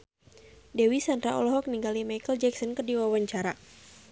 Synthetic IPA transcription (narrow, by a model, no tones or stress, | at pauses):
dɛwisandɾaʔɔ̰lɔɦɔk̚niŋɡalimajkəld͡ʒɛksɔnkərdiwawaɲt͡ʃaɾa